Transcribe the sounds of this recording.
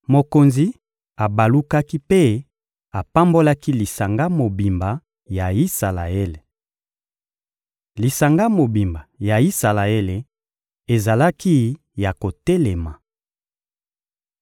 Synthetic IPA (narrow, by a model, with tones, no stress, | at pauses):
mo˨ko˨nzi˦ | a˨ba˨lu˦ka˦ki˦pe˦ | a˨pa˦mbo˦la˦ki˦li˨sa˨ŋɡa˦mo˨bi˨mba˨ | ja˨i˦sa˨la̰˨e˦le˨ | li˨sa˨ŋɡa˦mo˨bi˨mba˨ja˨i˦sa˨la˨e˦le˨ | e˨za˨la˦ki˦ | ja˨ko˨te˦le˨ma˨